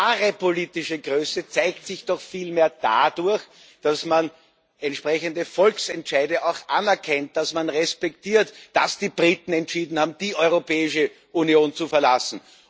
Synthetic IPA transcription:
aʁepʰoliːtɪʃəɡʁøːsət͡sæɪk̚tsɪçd̥ɔxfiːlmeːɐd̥a̰dʊɐx | d̥asman | ɛntʃpʁɛçəndəfɔlksɛntʃaɪdəaʊxʔanɛɐkʰɛnt̚d̥asmanʁɛspɛktiːɐtd̥asd̥iːb̥ʁiːtn̩ɛntʃiːdn̩haːbm̩d̥iːʔɔʏʁopɛːɪʃə | ʔunjoːnt͡sufɛɐlasn̩

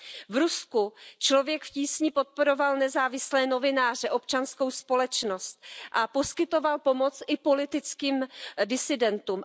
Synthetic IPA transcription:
vɾuskut͡ʃlo̞vjɛkfciːsɲɪpo̞t̪̚po̞ɾo̞valnɛzaːvɪslɛːno̞vɪnaːr̝ɛʔo̞pt͡ʃansko̞wspo̞lɛt͡ʃno̞st̪̚ʔapo̞skɪt̪o̞valpo̞mo̞t͡sʔɪpo̞lɪt̪ɪt͡skiːmdɪsɪdɛnt̪um

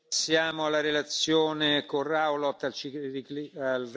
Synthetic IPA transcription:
sːjaːmoalːaɾelat̪sːjoːnekorawlɔt̪ːalt͡ʃiikalr

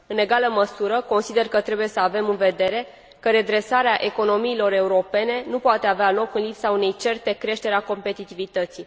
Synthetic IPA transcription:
ɨne̞ɡaləməsuɾəko̞nsid̪e̞rkət̪ɾe̞buje̞səave̞mɨnve̞d̪e̞ɾe̞ | kəɾe̞d̪ɾe̞saɾeaʔe̞ko̞no̞miːlo̞ɾe̞uɾo̞pe̞ne̞nupoat̪e̞avealo̞kɨnlipsaune̞jt͡ʃe̞rt̪e̞kɾe̞ʃt̪e̞ɾeako̞mpe̞t̪it̪ivit̪ət̪si

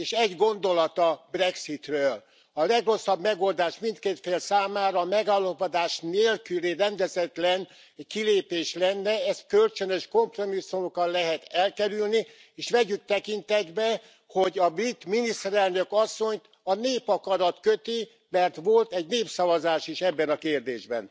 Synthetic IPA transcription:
eːʃɛɟɡo̞nd̪o̞lɒt̪ɒbrɛksit̪røːl | ɒlɛɡro̞sːɒbmɛɡo̞ld̪aːʃmint̪keːt̪feːlsaːmaːɾɒːmɛɡaːlːɒpod̪aːʃneːlkyleːrɛnd̪ɛzɛt̪lɛn | kileːpeːʃlɛnːɛɛst̪kølt͡ʃønøʃko̞mpro̞misːumokɒnlɛɦɛt̪ɛlkɛɾylni | eːʃʋɛɟyk̚t̪ɛkint̪ɛd̪bɛ | ho̞ɟɒbrit̪minist̪ɛɾɛlnø̞kɒsːo̞ɲt̪ | ɒneːpɒkɒɾɒt̪køt̪i | mɛrt̪ʋo̞lt̪ɛɟneːpsɒvɒzaːʃiʃɛbːɛnɒkeːrd̪eːʒbɛ̰n

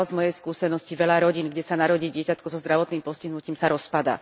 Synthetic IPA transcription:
lzmɔjɛjskuːsɛnɔsciʋɛʎaɾɔɟiːnɡɟɛsanaɾɔɟiːɟɪɛcat̪kɔzɔzd̪ɾaʋɔt̪niːmpɔsciɦnuciːmsaɾɔspad̪a̰ː

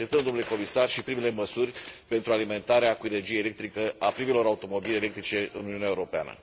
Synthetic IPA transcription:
ent̪əmd̪onuleko̞misarʃipɾimele̞məsurʲpe̞nt̪ɾualime̞nt̪aɾeakuene̞rd͡ʒijejlek̚t̪ɾikəapɾimelo̞ɾaut̪o̞mo̞bilelekt̪ɾit͡ʃe̞ɨ̰nuniunaeuɾo̞pea̰nə̰

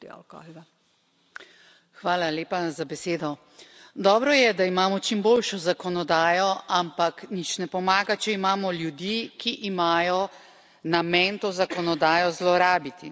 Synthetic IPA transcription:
a̰ka̰ɡa | xʋaːlaleːpazabɛseːd̪ɔ | d̪ɔːbɾɔjɛd̪aimaːmɔt͡ʃimboːlʃɔzakɔnɔd̪aːjɔampaknit͡ʃnɛpɔmaːɡat͡ʃɛimaːmɔljud̪iːkiʔːmaːjɔ | namɛnt̪oːzakɔnɔd̪aːjɔzlɔɾaːbit̪i

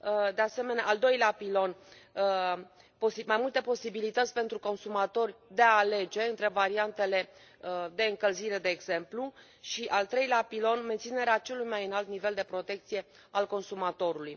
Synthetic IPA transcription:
d̪e̞ase̞me̞neaʔːld̪o̞jleapilo̞n | posimajmult̪e̞po̞sibilit̪ət̪sʲpe̞nt̪ɾuko̞nsumat̪o̞rʲd̪e̞aːle̞d͡ʒe̞ɨnt̪ɾe̞vaɾiant̪e̞le̞ | d̪e̞ɨŋkəlziɾe̞d̪e̞ːɡz̥e̞mplu | ʃiʔalt̪ɾe̞jleapilo̞nment̪sine̞ɾeat͡ʃe̞lujmajɨnalt̪nive̞ld̪e̞pɾo̞t̪e̞k̚t̪sije̞ | alko̞nsumat̪o̞ɾuluj

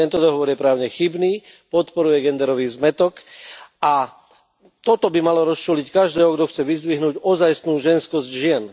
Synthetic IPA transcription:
t̪ɛnt̪ɔd̪ɔɦɔʋɔɾjɛpɾaːʊɲɛxibniː | pɔt̪pɔɾujɛɡɛnd̪ɛɾɔʋiːzmɛt̪ɔkʔa | t̪ɔt̪ɔbimalɔɾɔst͡ʃuːlickaʒd̪ɛːɦɔɡd̪ɔxt͡sɛʋizd̪ʋiɦnuːɟɔzajsnuːʒɛnskɔzɟʒɪɛn

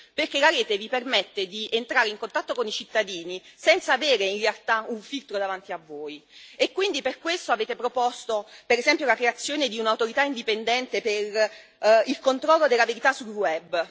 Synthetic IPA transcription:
perkelaɾeːt̪evipermet̪ːed̪ient̪ɾaːɾeiŋkont̪at̪ːokonit͡ʃit̪ːad̪iːnisɛnt̪saːveːɾeinrealt̪auɱfilt̪ɾod̪avant̪iavːoːjekːwind̪iperkwest̪oaveːt̪epɾopost̪opeɾezɛmpjolakɾeat̪sːjoːned̪iunauwt̪oɾit̪aind̪ipend̪ɛnt̪eper | ilkont̪ɾɔlːod̪elːaveɾit̪asːulwɛbː

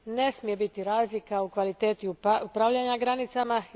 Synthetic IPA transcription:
ne̞smije̞bit̪iɾaːzlikaukʋalit̪e̞ːt̪iuupɾaʋʎaɲaɡɾanit̪sama

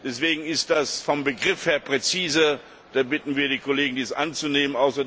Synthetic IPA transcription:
d̥ɛsv̥eːɡŋ̩ɪst̚d̥asfɔmbəɡʁɪfheːɐpʁ̥ɛt͡siːzə | d̥aːbɪtn̩viːɐdiːkʰoleːɡŋ̩diːsʔa̰nt͡suneːmənʔaʊsɐ

